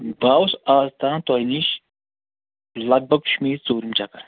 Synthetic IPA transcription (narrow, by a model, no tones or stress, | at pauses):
baːwsaːzt̪aːnt̪ɔjniʃ | lɐɡ̚bɐkʃmiːt͡soːɾimt͡ʃakɐɾ